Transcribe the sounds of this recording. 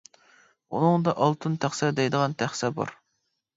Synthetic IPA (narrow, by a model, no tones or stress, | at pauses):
unɨŋd̪ɑʔɑlˠt̪ʰɨnt̪ʰæχsɛd̪ɛjd̪əʁɑnt̪ʰæχsɛbɑ̰ɾ